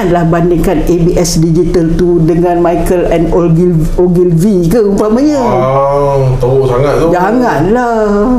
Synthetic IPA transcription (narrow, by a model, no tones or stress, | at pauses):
lahbandɪŋkanebiʔɛsdid͡ʒit̪əlt̪udəŋãnmajkəlɛnolɡ | oɡilvikəumpamaɲã | t̪o | saŋat̪̚d͡ʒaŋanla | h